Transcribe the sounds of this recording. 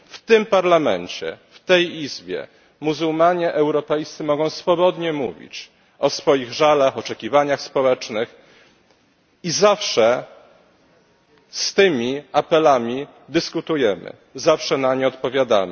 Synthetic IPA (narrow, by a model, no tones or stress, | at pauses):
ft̪ɘmpaɾlamɛ̰nt͡ɕɛ̰ft̪ɛjizbʲjɛ̰ | muzulmaɲɛʔɛwɾɔpɛjst̪sɨmɔɡɔ̃w̃sfɔbɔd̪ɲɛmuvʲḭt͡ɕ | ɔsfɔjiɣʐalaxɔt͡ʂɛkʲivaɲaxspɔwɛt͡ʂnɘx | izafʂɛ | st̪ɘmʲiapɛlamʲi | d̪ɘskut̪ujɛmɘ̰ | zafʂɛnaɲɛɔt̪pɔvʲjad̪a̰mɘ